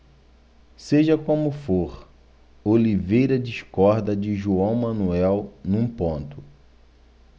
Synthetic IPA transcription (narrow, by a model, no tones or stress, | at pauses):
seʒɐkõmʊfoɾ | olivejɾɐd͡ʒiʃkɔɾd̪ɐd͡ʒɪʒuɐ̃w̃mɐ̃nuɛwnũpõnt̪ʊ̥